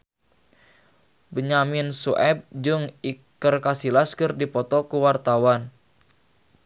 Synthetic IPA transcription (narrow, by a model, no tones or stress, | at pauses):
bəɲamɪnsuʔɛb̚d͡ʒɨŋikərkasilaskɨrdipɔt̪ɔkuwart̪awan